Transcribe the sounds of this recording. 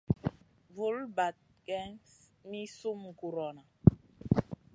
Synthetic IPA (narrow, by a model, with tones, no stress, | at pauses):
vu˨˦lba˨t̚ | kɛ˦ŋ | mi˦su˦m˨ku˨ɾɔ˨na˨